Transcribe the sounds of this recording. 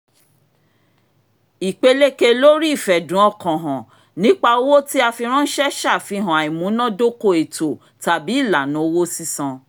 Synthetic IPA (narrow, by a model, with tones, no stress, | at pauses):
i˨k͡pe˧le˦ke˧lo˦ɾi˦i˦˨fɛ˨dũ˨˦ɔ˦˨kɔ̃˨ɦã˨ | nĩ˨˦k͡pa˧o˦wo˦ti˦a˧fi˧ɾ̃ɔ̃˦n̩˦ʃɛ˦ʃa˦˨fi˧ɦã˨a˨i˨mũ˨˦nã˦do˦ko˦˨e˨to˨ | ta˨bi˨˦i˦˨la˨nũ˨˦wo˦si˦sã˧